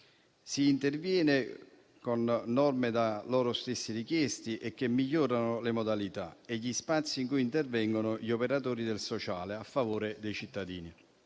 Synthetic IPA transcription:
siːnt̪ervjɛːnɪ | konːɔrmed̪alɔːɾost̪esːiɾikjɛst̪iʔɛkːemːiʎːɔːɾanʊlemod̪alit̪a̰eʎːispat̪sːiːŋkujint̪ervɛŋɡonʊʎiopeɾat̪oːɾid̪elsot͡ʃaːleafːavoːɾɪd̪ejt͡ʃit̪ːad̪iːni

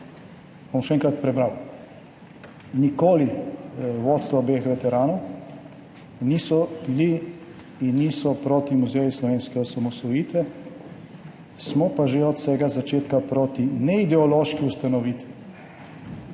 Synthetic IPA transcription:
bɔmʃɛɛŋkɾat̪pɾɛbɾaw | nikoːli | ʋoːt̪st̪ʋaɔbeːxʋɛt̪ɛɾaːnɔw | nisɔbiliː | nːiːsɔpɾoːt̪imuzɛjislɔʋeːnskɛɔsamɔsʋɔjiːt̪ʋɛ | smɔpaʒeɔt̪sɛːɡazat͡ʃeːt̪kapɾoːt̪inɛid̪ɛɔloːʃkiust̪anɔʋiːt̪ʋi

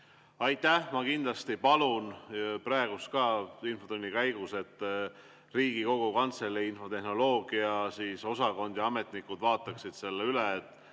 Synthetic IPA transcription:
ɑjt̪ːˑæhmɑkind̪lɑst̪ipɑlunpɾɑeɡ̥ust̪kɑːinfo̞t̪unʲːikæjɡ̥use̞t̪ːˑ | riːɡ̥iko̞ɡ̥ukɑnt̪selːiinfo̞t̪e̞hno̞lo̞ːɡ̥iɑsiːso̞sɑko̞nd̪jɑɑme̞t̪nikːud̪̥vɑːt̪ːˑɑksid̪̥se̞lːeyleet̪ːˑ

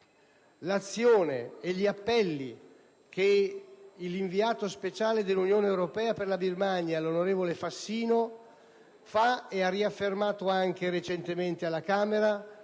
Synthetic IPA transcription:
lat̪sːjoːnḛeʎːiapːɛlːi | ke | iliɱviaːt̪ospet͡ʃaːled̪elːunjoːneːwɾopɛːaperlabirmaɲjalonoɾeːvolefasːiːno | faɛarːiafːermaːt̪oaŋk̟eɾet͡ʃent̪ement̪ealːakaːmeɾa

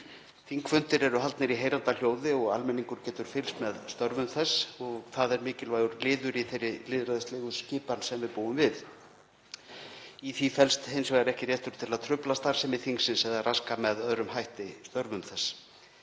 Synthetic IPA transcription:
θiŋkfʏnt̪ɪɾɛɾʏɦalt̪nɪɾiɦeːjɾant̪al̥joːwðɪɔɣa̰lmɛniŋkʏɾ̥cɛːt̪ʏɾ̥fɪlsmɛðst̪œɾvʏmθɛsːɔɣθaðɛɾmɪːcɪlvaːjɣʏɾlɪːðʏɾiθejrːɪlɪːðɾaðɪslɛːɣʏscɪːpansɛmvɪðpuːwʏmvɪð | iθifɛlst̪hejnsvɛɣɛɾɛhcɪrjɛht̪ʏɾ̥t̪ʰɪlaðt̪ʰɾʏplast̪aɾ̥sɛmɪθiŋksɪnsɛðaraskamɛðœðɾʏmhajht̪ɪst̪œɾvʏmθɛsː

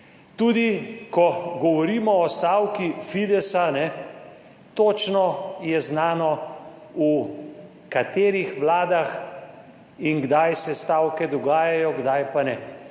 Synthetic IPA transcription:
t̪uːd̪ikɔɡɔʋɔɾiːmɔːst̪aːwkifid̪ɛsanɛ | t̪oːt͡ʃnɔjɛznaːnɔ | u | kat̪eːɾixʋlaːd̪ax | iŋɡd̪ajsɛst̪aːwkɛd̪ɔɡaːjajɔɡd̪ajpanɛ

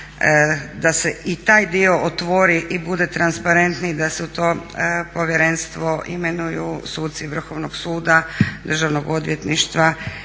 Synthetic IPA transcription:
d̪ase̞ʔit̪aːjd̪io̞ʔot̪ʋoɾiʔibud̪e̞t̪ɾanspaɾe̞nt̪nid̪aseut̪o̞ːpo̞ʋjeɾe̞nst̪ʋo̞ʔḭme̞nujusuːt̪̚t̪siʋr̩xo̞ːʋnoɡ̥suːd̪ad̪r̩ʒaʋnoɡo̞d̪ʋje̞t̪niʃt̪ʋa

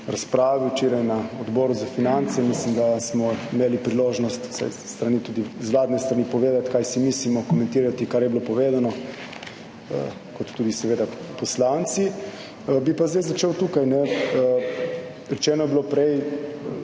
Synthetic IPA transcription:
ɾaspɾaːʋiwt͡ʃiːɾajnaɔd̪bɔːɾuzafinant̪sɛmislimd̪asmɔimeːlipɾiloːʒnɔst̪u̥sa̰jst̪ɾanit̪uːd̪izʋlaːd̪nɛst̪ɾanipɔʋeːd̪at̪kajsimislimɔkɔmɛ̃nt̪iːɾat̪ikaɾjɛbilopɔʋeːzanɔ | ə̰ | kɔt̪ːuːd̪isɛʋeːd̪apɔslant̪si | əbipazd̪ajzat͡ʃeːwt̪uːkajnɛə | ɾɛt͡ʃɛːnɔjɛbilopɾɛj

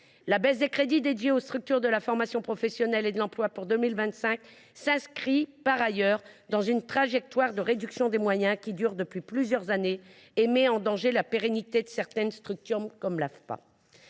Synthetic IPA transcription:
labɛz̬d̪ekχed̪id̪ed̪jeost̪χyk̚t̪yʁd̪əlafɔʁmasjɔ̃pχɔfɛsjɔnɛled̪əlɑ̃plwapuʁd̪əmilvɛ̃t̪sɛ̃k | sɛ̃skχipaʁajœʁd̪ɑ̃zynt̪χaʒɛk̚t̪waʁd̪əʁed̪yksjɔ̃d̪emwajɛ̃kʲid̪yʁd̪əpɥiplyzjœʁzaneː | mɛɑ̃d̪ɑ̃ʒelapeʁenit̪ed̪əsɛʁt̪ɛnst̪χyk̚t̪ɔmkɔmlafpa̰

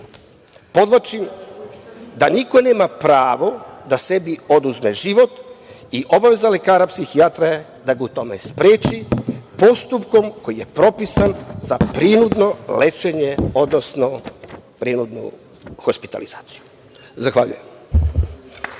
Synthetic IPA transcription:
po̞d̪ʋat͡ʃim | d̪aniko̞ne̞ːmapɾaːʋo̞d̪ase̞bio̞d̪uzmeʒiʋo̞t̪ | iʔo̞baʋe̞zale̞kaːɾapsixiat̪ɾae | d̪aɡut̪o̞mḛspɾeːt͡ʃipo̞st̪upko̞mko̞jije̞pɾo̞pisanzapɾinud̪no̞le̞t͡ʃe̞ɲeo̞d̪nosno̞pɾinud̪nṵ | xospi̥t̪a̰lḭzaːt̪si̥ju | zaxʋaʎṵje̞m

